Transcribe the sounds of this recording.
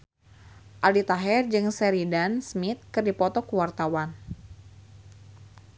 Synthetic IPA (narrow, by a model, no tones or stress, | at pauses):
ʔalit̪aɦɛrd͡ʒɨŋsɛɾidansmit̪̚kɨrdipɔt̪ɔkuwart̪awan